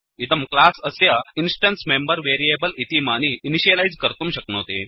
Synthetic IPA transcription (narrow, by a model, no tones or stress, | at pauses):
id̪əmklasəsjainsʈənsmembəɾʋeɾiebəlit̪imañiiniɕəlajd͡zkəɾt̪umɕəknot̪e